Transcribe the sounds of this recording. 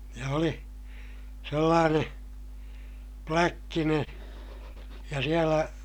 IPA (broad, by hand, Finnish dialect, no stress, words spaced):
jɑ oli selːɑːneː plækːineː jɑ sielæ